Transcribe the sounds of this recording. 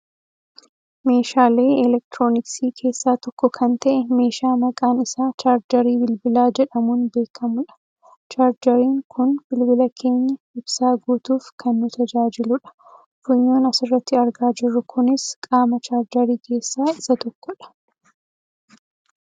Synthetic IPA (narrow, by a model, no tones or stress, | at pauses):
me̞ːʃaːleːɪlɛk̚t̪ɾo̞ːnɪksiːkʰe̞ːsːaːt̪ɔkːɔkʰɐnt̪ɐʔɛme̞ːʃaːmɐkʼaːnɪsaːt͡ʃaːɾd͡ʒɐɾiːbɪlbɪlaːd͡ʒɛᶑɐmuːnbe̞ːkʰɐmʊᶑɐ̥ | t͡ʃaːɾd͡ʒɐɾiːŋkʊnbɪlbɪlɐkʰe̞ːɲːɐ | ɪb̥saːɡuːt̪uːfkʰɐnːʊt̪ʰɐd͡ʒaːd͡ʒɪlʊᶑɐ̥ | fʊɲːo̞ːnɐsɪrːɐt̪ːɪɐɾɡaːd͡ʒɪrːʊkʰʊnɪskʼaːmɐt͡ʃaːɾd͡ʒɐɾiːkʰe̞ːsːaːɪsɐt̪ɔkːɔᶑɐ̥